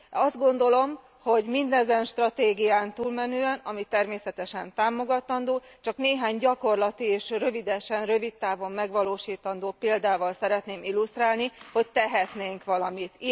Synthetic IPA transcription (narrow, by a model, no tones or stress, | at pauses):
ɒzd̪ɡo̞nd̪o̞lo̞m | ho̞ɟmind̪ɛzɛnʃt̪rɒt̪eːɡijaːnt̪uːlmɛnøːɛnɒmit̪ɛrmeːsɛt̪ɛʃɛnt̪aːmo̞ɡɒt̪ɒnd̪oːt͡ʃɒkneːɦaːɲɟɒko̞rlɒt̪ieːʃrø̞vid̪ɛʃɛnrø̞vit̪ːaːvo̞mːɛɡʋɒloːʃiːt̪ɒnd̪oːpeːld̪aːvɒlsɛɾɛt̪neːmilust̪raːlniho̞c̚t̪ɛɦɛt̪neːŋkʋɒlɒmit̪